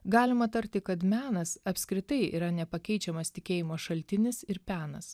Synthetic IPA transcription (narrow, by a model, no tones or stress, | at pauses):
ɡɑːlʲɪmɐt̪ɐɾʲt̪ʲɪkɐt̪mʲæːnɐsɐpʲsʲkɾʲɪt̪ɐɪḭːɾɐnʲɛpɐkʲɛɪt͡ʃʲɛmɐst̪ʲɪkʲeːjɪmoːʃɐlʲt̪ʲɪnʲɪsɪɾpʲæːnɐs